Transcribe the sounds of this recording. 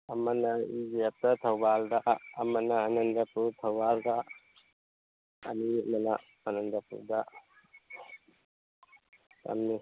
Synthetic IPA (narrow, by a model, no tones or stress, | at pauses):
ɐmɐnɐid͡ʒeap̚t̪ɐt̪ʰɐwbald̪aʔɐmɐnɐːnɐnd̪ɐpuɾt̪ʰɐwbald̪a | nimɐnaː | nɐnd̪ɐpṵɾda | tɐ̰mni